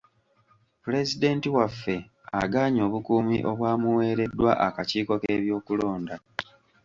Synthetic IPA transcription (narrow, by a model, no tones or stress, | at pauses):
pule̞zide̞ːntiwafːe̞ | a̰ɡaːɲo̞ːβukuːmḭʔo̞βwaːmuwe̞ːɾe̞dːwa̰ʔakaciːko̞ke̞βjo̞ːkulo̞ːnda